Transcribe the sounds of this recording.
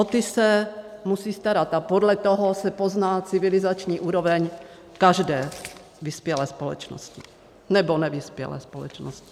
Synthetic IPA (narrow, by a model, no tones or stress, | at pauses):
ot̪ɪsɛmusiːst̪aɾat̪apodlɛt̪oɦosɛpoznaːt͡sɪvɪlɪzat͡ʃɲiːʔuːɾovɛɲ | kaʒdɛː | vɪspjɛlɛːspolɛ̰t͡ʃno̰scɪ | nɛbonɛvɪspjɛ̰lɛ̰ːspolɛ̰t͡ʃnoscɪ̥